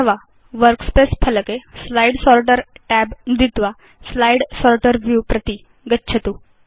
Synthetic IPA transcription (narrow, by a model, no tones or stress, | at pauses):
əʋa | ʋəɾkspespʰələkeslaiɽsɔɾʈəɾʈæbmd̪ʱit̪ʋa | slajɽsɔɾʈəɾʋjupɾət̪i | ɡətːɕʰət̪u